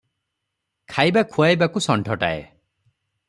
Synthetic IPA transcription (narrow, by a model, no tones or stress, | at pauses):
kʰajbakʰuajbakusɔɳʈʰɔʈa̰ḛ